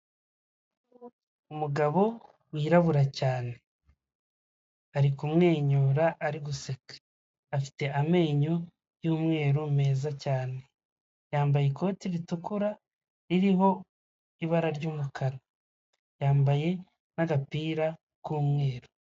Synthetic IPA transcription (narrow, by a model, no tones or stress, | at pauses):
umuɡaβo̞ | wiːɾaβuɾacaːne̞ | aɾikumŋe̞ːɲoːɾaʔːɾiɡuseke̥ | afi̥te̞ame̞ːɲo | juːmŋe̞ːɾume̞ːzacaːne̞ | jaːmbajeko̞ːtiɾitukuɾa | iɾiho̞ | iβaɾaɾɟuːmukʰaɾa | jaːmbaje̞ | naɡapiːɾa | kuːmŋe̞ːɾo̥